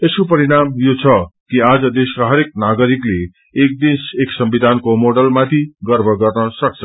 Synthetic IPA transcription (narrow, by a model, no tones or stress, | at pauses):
eskopʌɾiɽamjot͡sʰʌkiad͡zʌd̪eskaɦʌɾek̚naɡʌɾikle | ek̚d̪inseksʌmbid̪ʱankomoɽʌlmat̪ʰiɡʌrbʱʌɡʌrnʌsʌk̚t͡sʰʌ